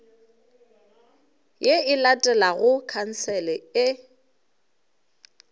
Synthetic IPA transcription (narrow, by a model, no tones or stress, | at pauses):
jeɪlatʼɛlaɣʊkʰan̩sɛlɛɪ